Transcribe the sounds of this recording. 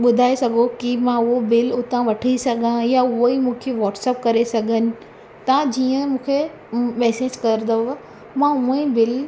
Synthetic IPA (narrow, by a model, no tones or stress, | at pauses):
ɓʊd̪ʱaːesɐɡʱokimãʊɦobɪlʊt̪ãʋɐʈʰisɐɡʱãjaʊɦoimũːkʰeʋɔːʈsɛːp̚kɐɾesɐɡʱənɪ̆ | t̪ãd͡ʑiːə̃mũːkʰe | mɛːseːd͡ʑkɐɾd̪o | mãʊ̃ibɪl